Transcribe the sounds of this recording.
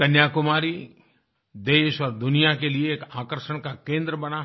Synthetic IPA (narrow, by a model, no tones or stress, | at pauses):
kɐnjaːkʊmaːɾi | d̪eːʃɔːɾd̪ʊnijakelieːkaːkəɾʃəɽ̃kakẽːnd̪ɾəbɐna